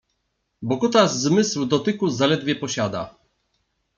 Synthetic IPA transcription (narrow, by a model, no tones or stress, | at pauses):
bɔkut̪azzmɘswd̪ɔt̪ɘkuzalɛd̪vʲjɛpɔɕad̪a̰